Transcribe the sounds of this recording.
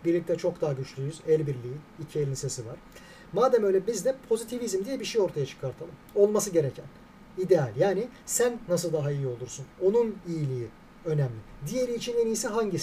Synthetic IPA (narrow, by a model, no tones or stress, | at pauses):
biɾlʲic̚t̪ʰɛt͡ʃʰo̞kd̪aɦaɟyt͡ʃlʲyjɾyz̥ælʲbiɾlʲiiicʰielʲinse̞sivaɾ̥ | maːd̪æmø̞jlʲɛbizd̪ɛpʰo̞zit̪ʰivizmd̪ijɛbiʃejo̞ɾt̪ʰajat͡ʃʰɯ̥kʰaɾt̪ʰalˠɯmo̞lˠmasɯɟe̞ɾecʰæn | id̪ealʲjaːnɪ | sænːasɯlˠd̪aɦaijio̞lˠuɾsuno̞nunijilʲiji | ø̞næmlʲɪd̪ije̞ɾiːt͡ʃʰinenijsɛɦaɲɟis